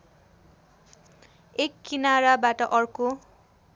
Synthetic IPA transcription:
ekːinaɾabaʈʌʔʌrko

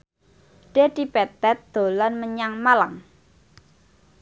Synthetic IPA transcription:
ɖ̥e̤d̪̥ipɛt̪ɛt̪̚d̪̥o̤lanməɲaŋmalaŋ

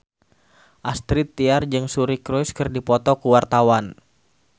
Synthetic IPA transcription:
ʔast̪ɾit̪ːiard͡ʒɨŋsuɾikɾɔjskɨrdipɔt̪ɔkuwart̪awan

